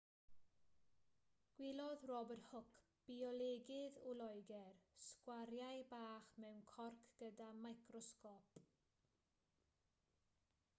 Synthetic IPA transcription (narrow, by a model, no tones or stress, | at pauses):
ɡ̥wɪlˠɔðrɔbərhʊkʰ | b̥iɔlɛɡɪðulˠɔjɡɛrskwaɾjajbaːχmɛwnkʰɔrkʰɡ̥ədamajkrɔskɔp